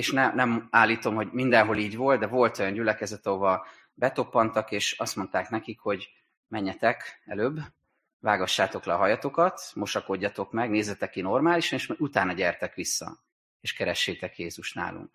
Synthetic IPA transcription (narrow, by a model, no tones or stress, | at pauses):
eʃnɛnɛmaːlːiːt̪o̞mho̞ɟmind̪ɛnɦo̞liːɟʋvo̞ld̪̚d̪ɛvo̞lt̪o̞jɒɲɟylɛkɛzɛt̪ɒɦo̞vɒ | bɛt̪o̞pːɒnt̪ɒkeːʃɒst̪mo̞nt̪aːknɛkikho̞ɟ | mɛɲːɛt̪ɛkɛløːbː | vaːɡɒʃːaːt̪o̞klɛɒɦɒjɒt̪o̞kɒt̪mo̞ʃɒko̞ɟːɒt̪o̞kmɛɡneːzːɛt̪ɛkːino̞rmaːliʃɒneːʃmut̪aːnɒɟɛrt̪ɛkʋisːɒ̰ | eːʃkɛɾɛʃːeːt̪ɛkjeːzuʃt̪na̰ːlṵŋk